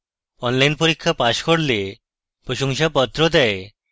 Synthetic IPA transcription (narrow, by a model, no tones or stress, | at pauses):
ɔnlajnpoɾikʰːapaʃkoɽle | pɾoʃoŋʃapɔt̪ːɾod̪ɛe